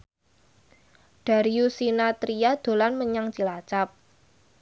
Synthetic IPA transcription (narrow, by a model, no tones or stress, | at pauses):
ɖ̥a̤ɾiusinat̪ɾiad̪̥o̤lanməɲaŋt͡ʃilat͡ʃap̚